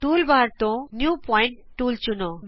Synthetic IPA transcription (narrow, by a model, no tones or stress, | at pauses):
ʈulbaɾt̪õnjupɔjɳʈːult͡ɕunɔ